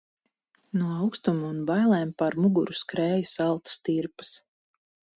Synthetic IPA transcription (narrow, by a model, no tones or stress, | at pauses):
nuɔɑwkst̪umunbajlˠɛːmpaɾmuɡuɾuskɾɛːjusalˠt̪ḁst̪iɾpḁs